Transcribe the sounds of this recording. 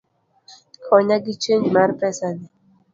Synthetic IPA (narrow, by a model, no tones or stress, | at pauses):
kʰɔɲaɡit͡ʃeɲd͡ʒmaɾpɛsadi